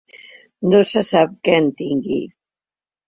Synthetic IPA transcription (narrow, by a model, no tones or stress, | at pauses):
nosəsap̚kɛnt̪iŋɡḭ